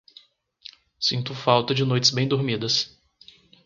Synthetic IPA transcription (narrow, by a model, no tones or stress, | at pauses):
sĩnt̪ʊfawt̪ɐd͡ʒɪnojt͡ʃɪzbẽj̃d̪oɾmid̪ɐs